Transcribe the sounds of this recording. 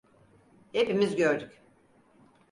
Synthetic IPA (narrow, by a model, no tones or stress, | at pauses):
he̞pimizɟø̞ɾd̪yc